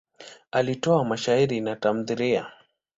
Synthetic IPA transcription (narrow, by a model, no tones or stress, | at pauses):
alitɔamaʃaiɾinatam̩ðiɾia̰